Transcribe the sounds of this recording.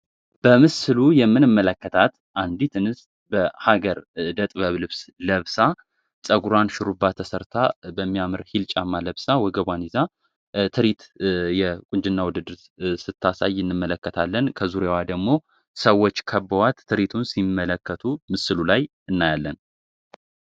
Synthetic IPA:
b̥əmɨsɨlujɛmːɨnɨmːələkːət̪ʰat̪ | ʔand̪it̪ʰɨnɨs | bəhaɡəɾd̪ət̪ʼβəβlɨβsləβsa | sʼəɡuɾanʃɪɾubːat̪ʰːəsəɾt̪ʰabəmːijamɨɾhilt͡ʃʼamːaləβsawɔɡəβaniza | t̪ʰɨɾit̪jɛkʼʊnd͡ʒɨnːawʊd̪ɨd̪ɨɾ | sɨt̪ʰːasa̰jɨnːɨmːələkːət̪ʰalːənkʰəzuɾewad̪əɡmo̞ | səwːot͡ʃːkʰəbːəwat̪ʰːɨɾit̪ʰunsimːələkːət̪ʰumɨsɨlulaj | ɨnːajalːən

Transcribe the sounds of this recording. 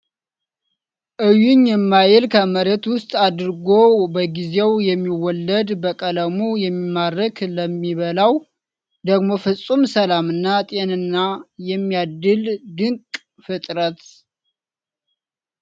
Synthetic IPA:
ʔɨjːunjɛmːajɪlkʰəməɾet̪wʊst̪ʼad̪ɾɡo̞bəɡize̞wjɛmːiwɔlːəd̪bəkʼələmujɛmːimːaɾəkləmːiβəlaw | d̪əɡmo̞fɨsʼumsəlamɨnːat̪ʼe̞nɨnːajɛmːijad̪ːɨld̪ɨŋkʼ | fɨt̪ʼɾət̪

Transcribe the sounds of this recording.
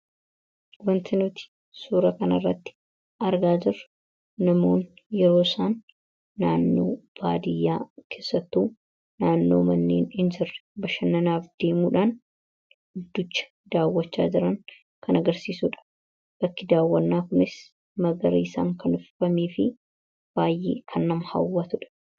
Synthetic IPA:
wɐnt̪ɪnʊt̪ɪ̥ | suːɾɐkɐnɐrːɐt̪ːɪ̥ | ʔɐɾɡaːd͡ʒɪrː | ɐmoːnjɛɾo̞ːsaːnː | aːnːo̞̰ːb̥aːd̪ɪjːaːkʰe̞ːsːɐt̪ːuː | naːnːo̞̰ːmɐnːeːnhɪnd͡ʒɪrːbɐʃɐnːɐnaːfd̪̥eːmuːᶑaːn | d̪ːʊt͡ʃːɐ̥ | d̪aːwːɐt͡ʃːa̰ːd͡ʒɪɾɐŋ | kʰɐnɐɡɐɾsiːsuːᶑɐ̥ | b̥ɐkːɪd̪aːwːɐnːaːkʊnɪs | mɐɡɐɾḭːsa̰ːŋkʰɐnʊffɐmeːfɪ | b̥aːjːḛːkʰɐnːɐmhɐ̰wːɐt̪ʊᶑɐ̥

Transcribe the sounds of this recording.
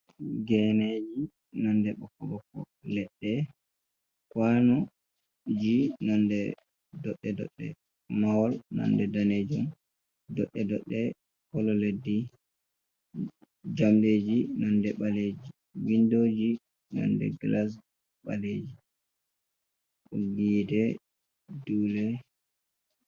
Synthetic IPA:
ɡɛned͡ʒi | nɔndɛɓɔkːɔɓɔkːɔ | lɛɗːɛ | kwanɔ | d͡ʒinɔndɛ | dɔɗːɛdɔ̰ɗːɛ̰ | mawɔlnɔ̰ndɛdaned͡ʒum | dɔɗːɛdɔɗːɛ | kɔlɔledːi | d͡ʒamded͡ʒinɔndɛɓaled͡ʒi | windod͡ʒi | nɔ̰ndɛ̰ɡlas̬ | ɓaled͡ʒi | ɡiːdɛ | duːlɛ

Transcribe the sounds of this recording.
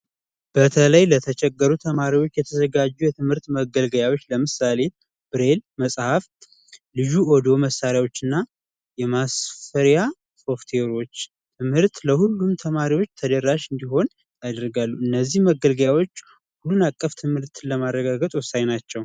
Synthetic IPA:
b̥ət̪ʰələjlət̪ʰət͡ʃʰɛɡːəɾut̪ʰəmaɾiwo̞t͡ʃːjɛt̪ʰəzəɡad͡ʒːujɛt̪ʰɨmhɨɾt̪məɡəlɡəjawo̞t͡ʃːləmɨsale̞ | b̥ɨɾe̞lməsʼhaf | lɨd͡ʒuod̪o̞məsːaɾjawo̞t͡ʃːɨnːa | jɛmasfəɾja | so̞ft̪ʰe̞ɾo̞t͡ʃː | t̪ʰɨmhɨɾt̪ləhulːumt̪ʰəmaɾiwo̞t͡ʃːt̪ʰəd̪əɾaʃɨnd̪iɦo̞n | jad̪əɾɡalːuɨnːəzːihməɡəlɡəjawot͡ʃː | hulːunakʼːəft̪ʰɨmhɨɾt̪ləmarːəɡaɡət̪ʼwɔsajnat͡ʃːɛw

